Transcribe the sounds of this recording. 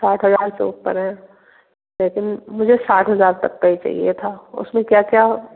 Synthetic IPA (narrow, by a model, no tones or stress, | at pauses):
saːʈʰɦɐzaːɾsḛṵpə̰ɾɦɛ̃ː | leːkɪnmʊd͡ʒʱesaːʈʰɦɐzaːɾt̪ɐk̚pait͡ʃa̰ːɦḭet̪ʰaːʊ̰smẽkjaːkjaː